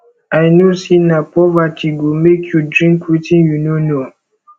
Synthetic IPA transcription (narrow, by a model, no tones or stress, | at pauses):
ajnosinapɔvatʰiɡomekʰjudɾĩŋkwitĩnjunono